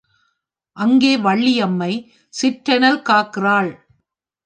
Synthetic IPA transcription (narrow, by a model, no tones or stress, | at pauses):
ʔɐŋɡeːʋɐɭːɪjɐmːɐɪ | sɪʈɾɐnɐlkaːkɪraːɭ